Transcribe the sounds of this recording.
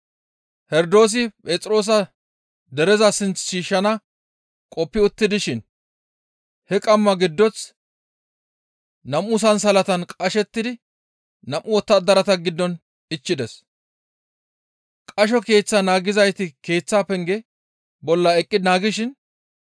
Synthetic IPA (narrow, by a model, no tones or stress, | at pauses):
hɛɾd̪o̞ːs̬ɪpʼeːt͡sʼɾo̞ːs̬ɐ | d̪ɛɾɛzɐsɪnt͡sʃiːʃːɐnɐ | kʼɔpːɪʊt̪ːɪd̪ɪʃɪn | hɛkʼɐmːɐɡɪd̪ːɔt͡s | nɐmuːs̬ɐns̬ɐlɐt̪ɐnkʼɐʃɛt̪ːɪd̪ɪ | nɐmʔʊwɔt̪ːɐd̪ɐɾɐt̪ɐɡɪd̪ːɔn | ɪt͡ʃːɪd̪ɛs | kʼɐʃ̬ɔke̞ːt͡sːɐnaːɡɪzɐjt̪ɪke̞ːt͡sːaːpɛŋɡɛ | bɔlːɐɛkʼːɪnaːɡɪʃɪn